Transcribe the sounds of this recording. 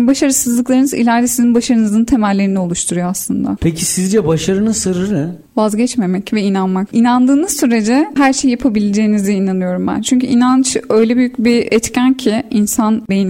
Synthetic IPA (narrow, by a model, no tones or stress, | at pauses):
baʃaɾɯsɯzlˠɯklˠaɾɯnɯzḭlʲæɾd̪ɛsizinbaʃaɾɯnɯzɯnt̪ʰe̞mælʲːe̞ɾinio̞lˠuʃt̪ʰuɾujoaslˠɯnd̪a̰pʰecʰisizd͡ʒɛbaʃaɾɯnɯsɯɾɯɾnɛ | vazɟɛt͡ʃme̞mɛcvɛinanmakinand̪ɯːnɯzsyɾe̞d͡ʒɛɦæɾʃe̞jijapʰabilʲed͡ʒe̞ːniziinanɯjo̞ɾumbæ̰nt͡ʃʰyɲcʰyʔinant͡ʃø̞jlʲɛbyjycbiɛt̪cʰæncʰiinsanbejin